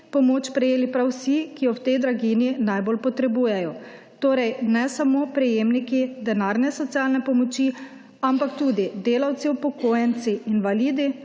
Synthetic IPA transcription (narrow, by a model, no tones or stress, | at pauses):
pɔmoːt͡ʃpɾɛjeːlipɾawsikijɔwt̪ɛjd̪ɾaɡininajbolpɔt̪ɾɛbuːjɛjɔ | t̪oːɾɛjnɛsamopɾɛjeːmnikid̪ɛnaːɾnɛsɔt̪sialnɛpɔmɔt͡ʃi | ampakt̪uːd̪id̪eːlawt̪siwpɔkoːjɛnt̪siːnʋaliːd̪i